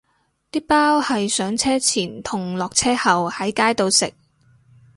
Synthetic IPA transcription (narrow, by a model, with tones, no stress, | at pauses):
t̪iː˥paː˥whɐ˨jsœː˨˥ŋt͡sʰɛː˥t͡sʰiː˨˩nt̪ʰʊ˨˩ŋlɔː˨k̚t͡sʰɛː˥hɐ˨whɐ˨˥jkaː˥jt̪o˨˧wsɪ̰˨k̚